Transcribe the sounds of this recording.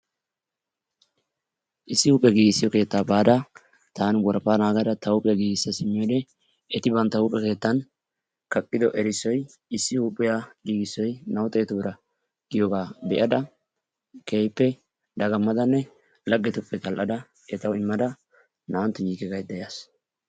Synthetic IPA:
ʔɪsːɪhuːpʼːɛɡiːɡɪsːɪjɔke̞ːt̪ːaːbaːd̪ɐ | t̪aːnɡɔɾpaːnaːɡɐd̪ɐt̪ɐʊpʼɪjɡiːɡɪsːɐsɪmːɪjɔd̪ɛ | ɛt̪ɪbɐnt̪ːɐhuːpʼːɛke̞ːt̪ːɐn | kɐkʼːɪd̪ɔʔɛɾɪsːɔj | ɪsːɪhuːpʼːɪjaɡiːɡɪsːɔjnɐwt̪ʼeːt̪ʊbɪɾɐ | ɡ̥ɪjɔɡaːbɛʔɐd̪ɐ | kʰeːjpːɛ | d̪ɐɡɐmːɐd̪ɐnːɛ | lɐɡːɛt̪ʊpʼːɛt̪ɐlʔɐd̪ɐ | ɛt̪ɐwɪmːɐd̪ɐ | nɐwnt̪ːʊjiːɡɪɡɐjd̪ːɐjas

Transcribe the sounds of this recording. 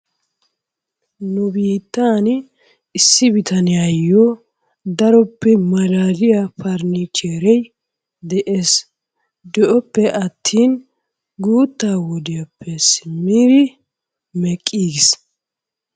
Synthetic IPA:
nʊbiːt̪ːaːn | ɪsːɪbɪt̪ɐnɪjɐjːɔ | d̪ɐɾɔpːɛmɐlaːlɪjapɐɾnɪt͡ʃeːɾɛj | d̪ɛʔe̞ːs | d̪ɛʔɔpːɛʔɐt̪ʰːiːn | ɡuːt̪ːaːwɔd̪ɪjɐpʰːɛsɪmːiːd̪ɪ | mɛkʼːiːɡɪs

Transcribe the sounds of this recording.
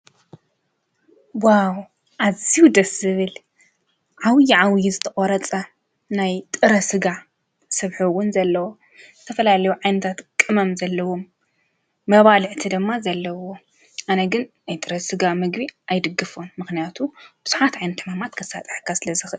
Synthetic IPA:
waw | ʔaziwud̪ɐsɨβɨl | ʕawjiʕawjizɨt̪ʰɐkʼɔɾɐt͡sʼɐ | najt̪ʼɨɾɐsɨɡa | sɐβħuwːʊnzɐlːɐwo | z̥ɨt̪ʰɐfɐlalɐjuʕajnɐt̪ʰat̪kʼɨmɐmzɐlːɐwo̞mː | ɐβalɨʕɨt̪ʰid̪ɨmːazɐlːɐwo̞ | ʔanɐɡɨnnajt̪ʼɨɾɐsɨɡamɨɡβiʔajd̪ɨɡːɨfomːɨxnijat̪ʰub̥ɨz̥uħat̪ʕajnɐt̪ʰɨmamat̪kʰɐsat̪ʼħkʰasɨlɐzɨxɨʔɨl

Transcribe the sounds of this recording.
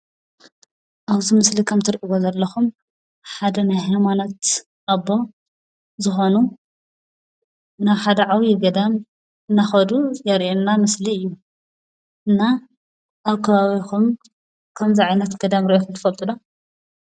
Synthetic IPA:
ʔaβzimɨslikʰɐmt̪ʰɨɾʔiβozɐlːɐxum | ħad̪ɐnajɦajmanot̪ | ʔabo̞ | zɨxo̞nu | naβħad̪ɐʕawijɪɡɐd̪am | ɨnːaxɐd̪ujɛɾʔenːamɨsliɨjːu | ʔɨnːa | ʔaβkʰɐβaβikum | kʰɐmziʕajnɐt̪ɡ̥ɐd̪amɾʔexumt̪ɨ̥fɐlt̪ʼɨd̪o

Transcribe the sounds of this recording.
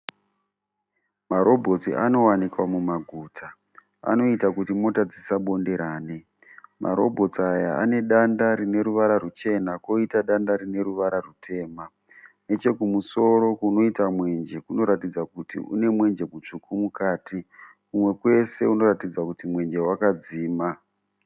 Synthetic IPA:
maɾo̞bʱo̞t͡siʔano̞wanikwamumaɡʱuːtʰa | a̰no̞itakutimo̞tad͡zisaɓo̞nde̞ɾaːne | mʔa̰ɾo̞̰bʱo̞t͡saja̰a̰ne̞ɗandaɾine̞ɾuʋaɾarut͡ʃe̞nako̞itaɗandaɾine̞ɾuʋaɾarutʰe̞ːma | ne̞t͡ʃe̞kumuso̞ɾo̞kuno̞itamwe̞nd͡ʒe̞kuno̞ɾatid͡zakutḭṵne̞mwe̞nd͡ʒe̞mut͡ʂukumukaːti | kumwe̞kwe̞se̞uno̞ɾatid͡zakutimwe̞nd͡ʒe̞wakad͡ziːma

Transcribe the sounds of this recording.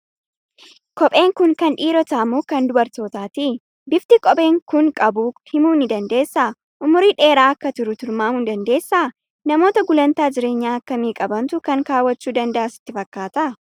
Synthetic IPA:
kɔpʼe̞ːŋkʊŋkɐnᶑiːɾɔt̪aːmuːkɐnd̪ʊbɐɾt̪o̞ːt̪aːt̪i | bɪft̪ɪkʼɔbʼe̞ːŋkʊŋkʼɐbuhɪmuːnɪd̪ɐnd̪e̞ːsːaː | ʔʊmʊɾiᶑe̞ːɾaːɐkːɐt̪ʊɾʊt̪ʊɾmaːʊnd̪ɐnd̪e̞ːsːaː | nɐmo̞ːt̪ɐɡʊlɐnt̪aːd͡ʒɪɾe̞ːɲːaːɐkːɐmiːkʼɐbɐnt̪ʊkɐŋkaːwːɐt͡ʃːuːd̪ɐnd̪ɐʔasɪ̥t̪ːɪfɐkːaːt̪ɐʔ

